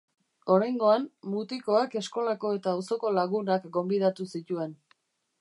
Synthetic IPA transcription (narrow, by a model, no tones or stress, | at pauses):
o̞ɾajŋɡo̞anmut̪iko̞ake̞sko̞lako̞e̞t̪aːwso̞ko̞laɣunakɡo̞mbiðat̪usit̪ue̞n